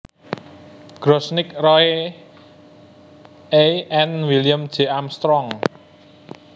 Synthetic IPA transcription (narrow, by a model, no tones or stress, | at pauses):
ɡ̥ɾɔsnɪkrɔe | eʔɛnwiliəmd̥ʒ̥e̤amst̪ɾɔŋ